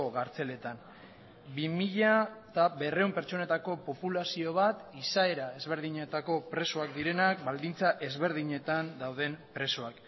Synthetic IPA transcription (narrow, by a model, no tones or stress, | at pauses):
oɣaɾt͡se̞le̞t̪an | bimiʎat̪aβe̞re̞wmpe̞ɾt͡ʃo̞ne̞t̪ako̞po̞pulasio̞β̞at̪isae̞ɾae̞zβe̞ɾðiɲe̞t̪ako̞pɾe̞soak̚d̪iɾe̞nak̚bald̪int͡saʔe̞zβe̞ɾð̞iɲe̞t̪and̪awðe̞mpɾe̞soak